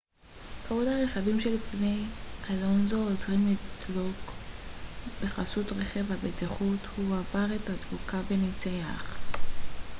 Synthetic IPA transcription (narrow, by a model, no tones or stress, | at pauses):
kavodhaʁeχavimʃelifnejkʰalonzoozʁimlidlok | b̥e̞χasutʁeχevabetiχuthuavaʁethat͡svukabenit͡sejaχ